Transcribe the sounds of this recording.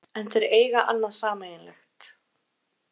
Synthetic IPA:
ɛnθʰɛɾeːjɣaʔa̰nːansaːmajɪnlɛxt̪

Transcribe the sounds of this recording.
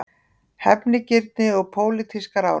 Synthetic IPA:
hɛpnɪcɪɾt̪̚nɪɔɣpʰoːwlɪt̪ʰiskaɾaw

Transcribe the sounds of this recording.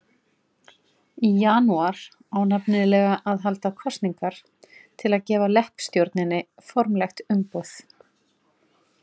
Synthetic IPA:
ijanuaɾ̥ | aːwnapnɪðlɛɣaʔaðɦalt̪akʰɔst̪niŋkaɾ̥ | t̪ʰɪlaðcɛːvalɛhpst̪jowɾt̪nɪnːɪfɔɾmlɛxt̪ʏmpowθ

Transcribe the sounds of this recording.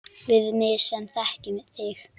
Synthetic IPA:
vɪðmɪ̥sɛmθɛhcɪmɪðθɪx

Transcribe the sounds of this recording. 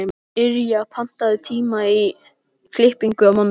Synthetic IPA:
ɪɾjapʰan̥t̪aðʏt̪ʰiːmai | flɪhpiŋkʏawmamː

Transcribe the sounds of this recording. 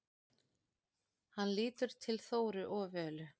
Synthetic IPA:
hanliːt̪ʏɾ̥t̪ʰɪlθoːwɾʏʔɔːvɛːlʏ

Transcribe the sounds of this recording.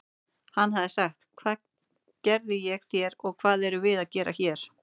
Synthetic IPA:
hanːɦaðɪsaxt̪kʰvaː | cɛɾðɪjɛɣθjɛɾɔɣkʰvaːðɛɾʏvɪðaðcɛːɾʔa̰çɛɾ̥

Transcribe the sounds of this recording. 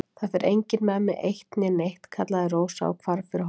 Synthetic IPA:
θaðfɛɾʔejɲcɪnmɛmɪʔejht̪nɪnejht̪kʰat̪laðɪroːwsa̰ːkʰvaɾfɪɾɪ

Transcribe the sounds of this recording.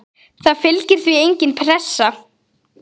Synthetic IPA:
θaðfɪlcɪɾ̥θviejɲcɪnpʰɾɛsːa

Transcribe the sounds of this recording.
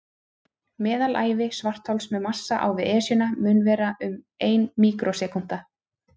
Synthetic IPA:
mɛːðalʔa̰ːjvɪsvar̥t̪ʰhɔwlsmɛðmasːaʔa̰wvɪðɛːsjʏnamʏːnvɛːɾaʏm | eːjnmiːkɾʔosɛːkun̥t̪a

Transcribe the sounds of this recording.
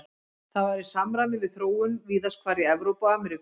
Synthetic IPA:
θaðvaɾɪsamɾanɪvɪðθɾoːwʏnviːðaskʰvaːɾɪɛvɾowpaːmɛɾɪk

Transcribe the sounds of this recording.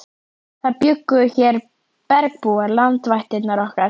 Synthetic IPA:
θaðpjʏkːʏçɛɾ | pɛɾk̚puaɾlant̪vajht̪ɪt̪naɾɔhkaɾ̥

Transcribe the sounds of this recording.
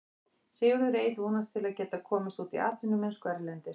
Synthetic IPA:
sɪːɣʏɾʏɾeːjθvɔːnast̪ʰɪlaðcɛːt̪akʰɔːmɪst̪uːt̪ḭa̰ːt̪lɪnːʏmɛnskɛɾlɛnt̪ɪ̥

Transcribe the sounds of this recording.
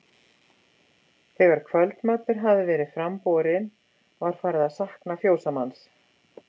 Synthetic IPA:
θɛɣvaɾ̥kʰvœlt̪mœːpɪɾ̥ɦavðɪvɛːɾɪð̥fɾampɔːɾɪn | vaɾ̥faːɾɪðaðsahknafjoːwsamans

